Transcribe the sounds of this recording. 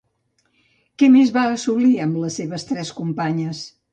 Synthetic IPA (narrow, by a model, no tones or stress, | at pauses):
kɛmezβaəsuliəmləseβəst̪ɾɛskumpaɲəs